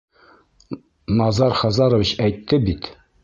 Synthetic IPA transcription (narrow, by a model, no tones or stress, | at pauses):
nɑzɑɾχɑzɑɾŏviɕæjt̪ːɘbit̪